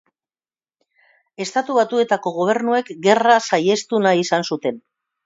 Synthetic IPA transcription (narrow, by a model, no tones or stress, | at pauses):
e̞st̪at̪uβat̪ue̞t̪ako̞ɣ̞o̞β̞e̞ɾnue̞kɡe̞rasaje̞st̪unaisansut̪e̞n